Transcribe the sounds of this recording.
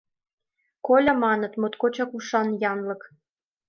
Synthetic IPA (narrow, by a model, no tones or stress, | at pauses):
kolʲɑmɑnɤ̆t̪mot̪kot͡ɕɑkuʃɑnjɑnlɤ̆k